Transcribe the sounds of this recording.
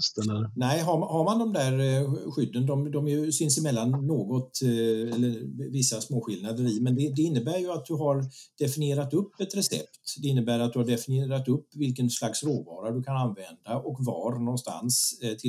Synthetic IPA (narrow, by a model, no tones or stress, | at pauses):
st̪ənɛɪɦaɾmhaɾmand̪ɔmd̪æːɾɧʏd̪ːənd̪ɔmd̪ɔmjɵsʏnsɪmɛlːanːoːɡɔt̪ɛlːəɾvɪsːasmoːɧɪlnad̪əɾɪmɛnd̪ɛd̪ɛɪnːəbæːɾjɵat̪̚d̪ɵɦaɾd̪̥ɛfɪnɪeːɾat̪ɵpːɛt̪ɾɛsɛ̰ptt̪d̪ɛɪnːəbæːɾat̪d̪ɵhaɖɛfɪnɪeːɾat̪ɵpːvɪlkənslaksɾoːvɑːɾadɵkʰananvɛnd̪aʔɔkvɑ̰ɾnɔnst̪a̰nst̪ʰɪ